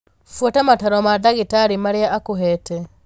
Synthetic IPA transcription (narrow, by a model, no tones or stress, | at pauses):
fwɔtamataɾɔmadaɣitaɾimaɾeaʔakoɦɛtɛ